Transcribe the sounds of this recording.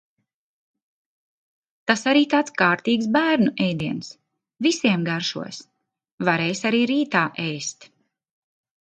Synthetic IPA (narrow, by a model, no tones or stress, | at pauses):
t̪asaɾiːt̪aːt̪skaːɾt̪iːksbæːɾnuʔɛjd̪iɛns | visiɛmɡaɾʃṵɔs | vaɾɛjsaɾiːɾiːt̪aːʔɛjst̪